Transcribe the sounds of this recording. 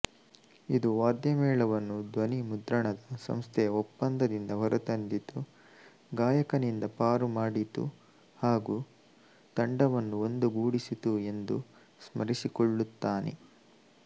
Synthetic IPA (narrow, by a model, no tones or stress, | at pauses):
id̪uʋaːɾd̪jɐmɛːɭɐʋɐnːud̪ʋɐnimud̪ɾɐɳɐd̪ɐsɐ̰mst̪ʰɛjɐopːɐnd̪ɐd̪ind̪ɐɦɐɾʔut̪ɐnd̪it̪u | ɡaːjɐkɐnind̪ɐpaːɾumaːɽit̪ṵ | haːɡuː | t̪ɐɳɖɐʋɐnːuond̪uɡuːɽisit̪ue̞nd̪u | smɐɾisikɔɭːut̪ːaːnḛ